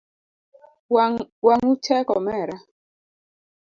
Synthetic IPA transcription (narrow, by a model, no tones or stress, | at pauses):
waŋut͡ʃɛkɔmɛɾa